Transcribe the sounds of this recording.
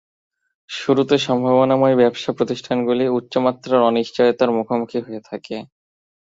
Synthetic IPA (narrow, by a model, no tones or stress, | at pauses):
ʃuɾut̪eʃɔmbʱaβonamɔebɛbʃapɾot̪iʃʈʰanɡuliutːɕomat̪ːɾaɾɔniʃt͡ɕɔjet̪aɾmukʰomukʰiɦoet̪ʰake